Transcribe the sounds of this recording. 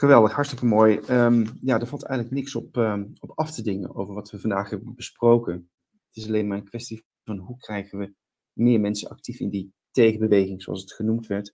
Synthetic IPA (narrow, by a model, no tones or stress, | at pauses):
χəʋɛlˠdəχɦɑɹtstɪkəmoːjəmjaːdəɹvɑlˠtɛ̰jɣələknɪksɔpːɔpɑftədɪŋə̰no̰wvəɹʋɑtʋəvɑndaːχɦɛbəbəsprowkən | ətɪsɑlejnmaːɹənkʋɛsti | vɑnɦukrɛjχənʋə | mɪːɹmɛnsənɑ̰k̚tifɪndi | tejχəbəʋejχɪŋz̥oɑ̰sətχənumtʋɛɹt